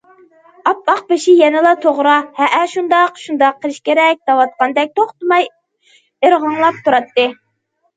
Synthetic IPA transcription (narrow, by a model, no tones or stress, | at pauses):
ɑpɑq̚beʃɪjɛnɪlˠɑt̪ʰoʁɾɑhɛʔæʃund̪ɑqʃund̪ɑqʰːəlˠʃkʲeɾɛk̚ʲd̪̥ɑwɑt̪̚qʰɑnd̪ɛk̚ʲt̪ʰoχt̪ɨmɑj | eɾʁɑŋlˠɑp̚t̪ʰuɾɑt̪ːɨ